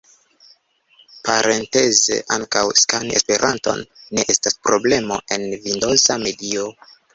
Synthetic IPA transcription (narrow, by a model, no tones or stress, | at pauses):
paɾʔente̞ze̞̰ʔaŋkawskaniespe̞ɾʔanto̞̰nːe̞ʔe̞staspɾo̞ble̞mo̞̰ʔe̞nvindo̞zame̞dio